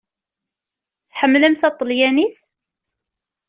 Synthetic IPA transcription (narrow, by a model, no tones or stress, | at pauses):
θħəmːləmθɑt̪ˤːəljæniθ